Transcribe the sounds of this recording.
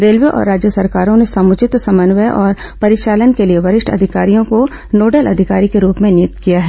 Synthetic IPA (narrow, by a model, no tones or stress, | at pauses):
ɾeːlʋeʔɔ̰ːɾːaːd͡ʒjəsɐɾkaːɾõnesɐmʊt͡ʃɪt̪sɐmənʋəʔɔːɾ | pɐɾɪʃaːlənkelieʋɐɾɪʃʈʰɐ̰d̪ʱɪkaːɾijõko | noːɖəlɐ̰d̪ʱɪkaːɾikeɾuːpmẽnɪt̪kijaɦɛː